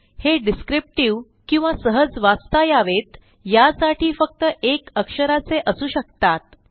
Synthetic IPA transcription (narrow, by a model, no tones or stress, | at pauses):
heɖiskɾip̚ʈiʋ | kĩw̃ʋasəɦəd͡zʋast̪ajaʋet̪ | jasaʈʰiːfək̚t̪əʔekəkʂəɾat͡seʔəsuːɕək̚t̪at̪̚